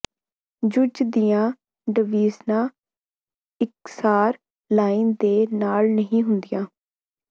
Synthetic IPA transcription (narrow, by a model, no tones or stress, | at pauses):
d͡ʒʊd͡ʒd̪ɪjãː | ɖəʋiːznãː | ɪksaːɾ | laːind̪eːnaːlnəɦĩːɦʊnd̪ɪjãː